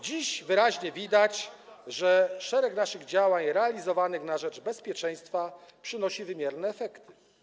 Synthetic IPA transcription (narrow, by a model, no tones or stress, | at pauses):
d͡ʑiɕvɘɾaʑɲɛvʲid̪at͡ɕʐɛʂɛɾɛknaʂɘɣd͡ʑawaɲɾɛalʲizɔvanɘxnaʐɛd͡ʐbɛspʲjɛt͡ʂɛj̃st̪fapʂɘnɔɕivɘmʲjɛɾnɛːfɛkt̪ɘ̥